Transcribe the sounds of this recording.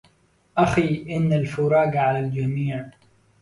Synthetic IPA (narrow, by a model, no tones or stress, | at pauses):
ʔaxiːʔɪnːalfʊɾˤɑːɡʕalald͡ʒamiːʕ